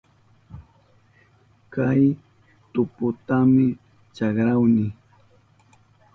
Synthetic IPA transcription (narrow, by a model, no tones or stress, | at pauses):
kaj | t̪ʊpʊt̪amɪ | t͡ʃɑkɾawnɪ